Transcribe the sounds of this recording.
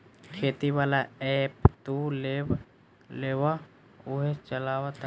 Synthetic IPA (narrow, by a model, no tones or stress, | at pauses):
kʰeːt̪iʋaːlaɛpt̪ule | leːwa | ʊɦet͡ʃəlaːwat̪